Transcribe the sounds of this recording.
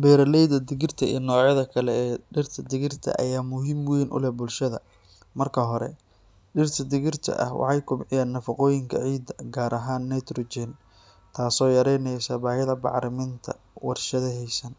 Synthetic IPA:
bɛːɾɐlɛjd̪ɐd̪ɪɣɪrt̪ʰɐḭːnɔːʕjɐðɐkʰɐlɛɛːɖɪrt̪ʰɐd̪ɪɣɪrt̪ʰɐ̰ʔɐ̰jaːmʊɦiːmwɛjnʔʊ̰lɛbʊlʃɐðɐ̰ | mɐrkʰɐɦɔɾɛ̰ | ɖɪrt̪ʰɐd̪ɪɣɪrt̪ʰɐ̰ʔɐ̰hwʔɑ̰ħɑjkʰʊbħɪjaːnːɐfɐqɔːjɪŋkʰɐ̰ʕiːd̪ɐɡaːɾɐɦaːnːɛt̪ɾɔd͡ʒɛn | t̪ʰaːsɔːjɐɾɛjnɛjsɐbaːhɐðɐbɑ̰ʕɾɪmɪnt̪ʰɐ̰ | wɑrʃɐðɐɦɛjsɐn

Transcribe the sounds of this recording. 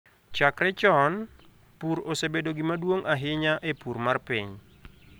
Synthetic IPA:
t͡ʃakrɛt͡ʃɔn | purɔsɛbɛdɔɡimaduɔŋʔaɦeɲaʔepurmarpɛɲ

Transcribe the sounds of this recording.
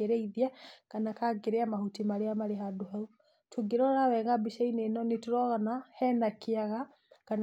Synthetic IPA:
eɾeiðjakanakaɡeɾeamahutimaleamaleɦaduɦau | tʰuɡiɾɔɾawɛŋɡabiʃainenɔnituɾɔɣanahɛnakiaɣa | kan

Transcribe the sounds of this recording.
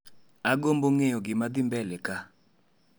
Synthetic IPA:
aɡomboŋejɔɡɪmad̪ɪmbɛlɛka

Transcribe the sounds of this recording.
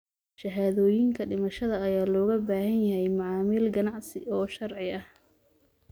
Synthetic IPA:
ʃɐɦaːðɔːjɪŋkʰɐɖɪmɐʃɐðɐɐjaːlɔːɣɐbaːhɐnjɐɦɛjmɑʕɑːmɪlɡɐnɑʕsɪ̰ɔːʃɐrʕɪɐh

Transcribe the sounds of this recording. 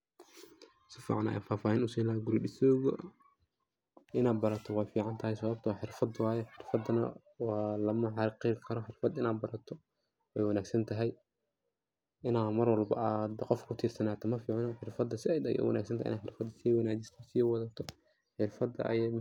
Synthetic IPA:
sɪfḭːʕɑna̰ja̰ːfaːfaːhinʊsɛjnɐːɡʊɾɗɪsɔːɣɔ | ʔɪnaːd̪̚bɐɾɐt̪ʰɔwɑːjfiːʕɑnt̪ʰɐɦɛjsɐβɐb̚t̪ʰɐwɑːħɪrfɐd̪wɑːjɛħɪrfɐd̪ɐnɐ̰ | wɑːlɐmɐħɑɾqɪkʰɐɾɔħɪrfɐd̪ɪnaːd̪bɐɾɐt̪ʰɔ | ɛjwɑnaːɡsɐnt̪ʰɐɦɛj | ʔɪnaːmɐrwɑlbɐ̰ʔaːd̪qɔfkʰʊt̪ʰiːrsɐnaːt̪ʰɐmɐfiːʕɑnɔħɪrfɐd̪ːɐsɪɛjd̪ɐɣɛ̰wɐ̰nʔa̰ːɡsɐnt̪aːj̰ʔɪ̰naːħɪrfɐd̪ɐsiːwɑnaːt͡ʃɪst̪ʰɐsiːwɐðɐt̪ʰɔ | ħɪrfɐd̪ɐ̰ʔɐ̰jɛm

